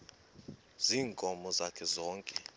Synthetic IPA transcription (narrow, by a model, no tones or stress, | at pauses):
ziːŋkʼɔmɔzakʰɛzɔːŋkʼɛ